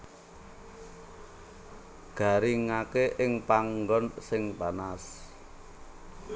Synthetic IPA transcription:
ɡ̥a̤ɾiŋakeʔɪŋpaŋɡɔnsɪŋpanas

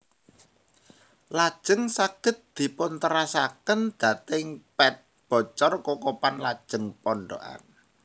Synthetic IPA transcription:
lad̥ʒ̥ə̤ŋsaɡ̥ə̤t̪̚d̪̥i̤pʊnt̪əɾasakənd̪̥ä̤t̪ɪŋpɛt̪̚ | b̥ɔ̤t͡ʃɔrkokopanlad̥ʒ̥ə̤ŋpɔɳɖo̰ʔa̰n

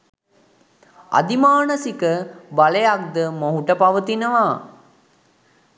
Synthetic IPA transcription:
a̰d̪imaːnəsikəbalejak̚d̪əmoɦuʈəpaʋət̪inəʋaː

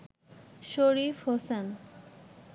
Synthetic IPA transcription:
ʃoɾifhosan

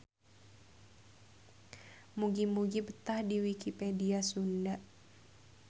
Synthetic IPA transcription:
muɡimuɡibət̪ahdiwikipediasundaʔ

